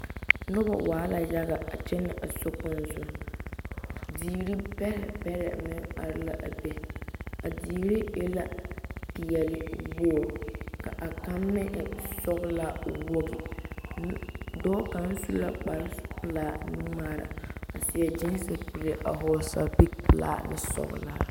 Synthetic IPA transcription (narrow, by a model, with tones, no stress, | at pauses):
nʊ˦ba̰˨waː˨˦la˨ja˦ɣa˨a˨t͡ʃɛ˦nɪ˨ʔa˨sɔ˦k͡pʊ˦n˨zʊ˦˨ | diː˨ɾi˦pɛ˦ɾɛ̰˨pɛ˦ɾɛ̰˨mɪ˦a̰˨ɾɪ˦la̰˨ʔa̰˨bɛ˦a˨diː˨ɾi˦je˦la˦ki˨jɛ˨lɪ˦bo˦˨ɾʊ˨ka̰˨ʔa˨ka˦mːɛ˦ʔsɔ˦ɣʊ˦la˦wo˦ɡɪ˨n˦dɔː˦ka˨n̩˦su˦la˦k͡pa˨ɾɪ˦pɨ˦laː˦nɨ˦maː˦ɾa̰˨a˨si˨ɛ˨d͡ʒɪ˦n˦sɪ˨pu˨ɾɪ˦ʔa˨ɦɔ˦sa˦bi˦ɡ̚pɨ˨la̰ː˦nɪ˦sɔ̰˦ɣʊ̰˦˨la˦